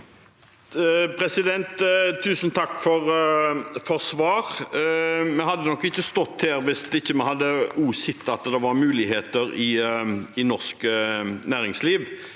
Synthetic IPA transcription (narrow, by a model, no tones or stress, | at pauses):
pʰɾɛsɪd̪ɛnt̪t̪ʰːʉːsənt̪ʰɑkːfɔʁ | fɔʁsʋɑːɾ | mɛhɑd̪ːənɔkːɪçːəst̪ɔt̪ːeːɾʋɪst̪ɪçːəmɛhɑd̪ːəuːsɪt̪ːɑt̪d̪ɛʋɑɾmʉːlɪɦeːt̪əɾɪɪnɔʁskənæːʁɪŋsliːʋ